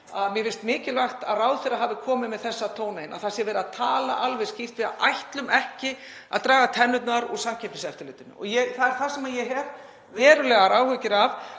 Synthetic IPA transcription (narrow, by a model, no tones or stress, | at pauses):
aðmjɛfɪnst̪mɪːcɪlvajht̪a̰ðraːwθɛrːaɦaːvɪkʰɔːmɪðmɛðθɛsːat̪ʰoːwnejna̰θḁsjɛvɛːɾaðt̪ʰaːla̰ʔalvɛscift̪vɪðajht̪lʏmɛhcɪ | a̰ðt̪ɾaːɣat̪ʰɛnːʏt̪naɾɔ̰ɣsamcʰɛp̪nɪsɛft̪ɪl̰ːt̪ʏnʏ̰ɔ̰ɣjɛθaðɛɾ̥θasɛmajɛɦɛɾ | vɛːɾʏlɛːɣaɾaːwhʏcɪɾav